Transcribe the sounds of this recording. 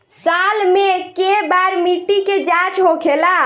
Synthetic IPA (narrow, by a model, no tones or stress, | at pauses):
salmekebaɾmiʈiked͡ʒat͡ʃɦokʰela